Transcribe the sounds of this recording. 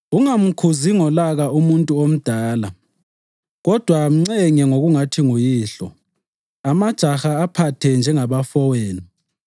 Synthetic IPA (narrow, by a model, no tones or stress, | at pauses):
uŋam̩kʰuziŋɔlaɣaumuntʼuom̩d̥ʱaːla | ɣɔd̥ʱwam̩ŋ͡ǀɛŋɛŋoɣuŋatʰiŋujiːɬɔ̰ | amad̥ʒ̥ʱaxaːpʰatʰɛnd͡ʒʱɛŋaβafɔweːni